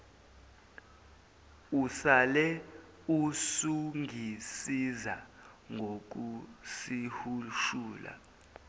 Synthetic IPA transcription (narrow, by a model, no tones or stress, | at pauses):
usalɛ | usuŋʱisiza | ŋɡʱok̬usihuʃuːla̰